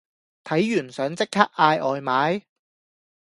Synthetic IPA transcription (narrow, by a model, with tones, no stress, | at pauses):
t̪ʰɐ˨˥jːyː˨˩nsœː˨˥ŋt͡sɪ˥k̚kʰːaː˥k̚ʔaː˧jʔɔː˨jmaː˨˥j